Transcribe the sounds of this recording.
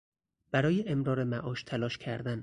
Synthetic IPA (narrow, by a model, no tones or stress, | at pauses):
b̥æɾɒːjeʔemɾɒːɾemæʔɒːʃt̪ʰælɒːʃcʰæɾd̪æn